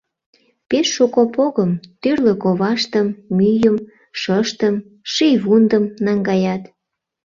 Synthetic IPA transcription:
peʃːukopoɣəmt̪yrlə̆koβɑʃt̪əmːyjəm | ʃəʃt̪əm | ʃijβund̪əmnɑŋɡɑjɑt̪

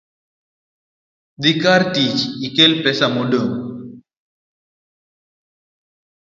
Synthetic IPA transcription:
d̪ikaɾʈit͡ʃikelpesamuɖə

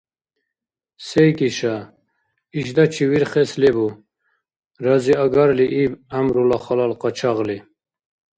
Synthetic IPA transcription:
sejkiɕa | iʃd̪at͡ɕʰiwiɾχeslebu | ɾaziaɡaɾliʔibamɾulaχalalqɑt͡ɕʰaʁli

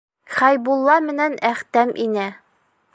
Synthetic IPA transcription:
χæjbulˠːɑmɘ̆nænæχt̪æmʔinæ

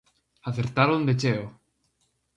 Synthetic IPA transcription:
aθeɾt̪aɾond̪et͡ʃeo

